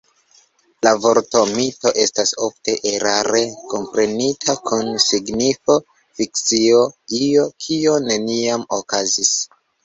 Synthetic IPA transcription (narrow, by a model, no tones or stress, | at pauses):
lavo̞ɾto̞mito̞ʔe̞staso̞fte̞ʔeɾaɾe̞ko̞mpɾe̞nitʰakʰunsiɡnifo̞ | fikt͡sio̞io̞kʰio̞ne̞niamokazis